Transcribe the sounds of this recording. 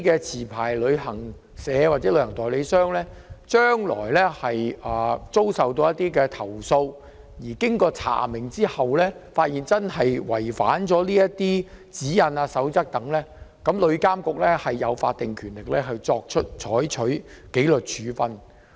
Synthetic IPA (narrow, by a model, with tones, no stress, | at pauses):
i˥kɛː˧t͡sʰiː˨˩pʰaː˨˩jlɵ˨˧ɥhɐ˨˩ŋ | sɛː˨˧waː˨t̚t͡sɛː˨˥lɵ˧˥hŋt̪ɔː˨jle˨˧jsœː˥ŋlɛː˥t͡ʃœː˥ŋlɔ̰ː˨˩jlɛː˥hɐ˨jaː˨˩t͡so˥wsɐ˨wt̪o˧wjɐ˥t̪iː˥kɛː˧t̪ʰɐ˨˩wso˧w | jiː˨˩kɪ˥ŋkɔː˧t͡sʰa̰ː˨˩mɪ˨˩ŋt͡siː˥hɐ˨wlɛː˥faː˧t̚jiː˨nt͡sɐ˥nɦɐ˨jwɐ˨˩jfa̰ː˨˥nt͡sɔː˨˥liː˥jɐ˥t̪iː˥t͡siː˨˥jɐ˨˧naː˧sɐ˨˥wt͡sɐ˥k̚t̪ɐ˨˥ŋlɛː˥kɐ˨˥mlɵ˨˧ɥkaː˥mkʊ˨k̚lɛː˥hɐ˨jːɐ˨˧wfa̰ː˧t̚t̪ɪ˨ŋkʰyː˨˩nlɪ˨k̚lɛː˥ɦɐ˧t͡sɔː˧k̚t͡ʃʰɵ˥t̚t͡ʃʰɔː˨˥jt͡ʃʰɵ˨˥ɥke˨˥jlɵ˨˩t̚t͡ʃʰyː˨˥fɐ˧n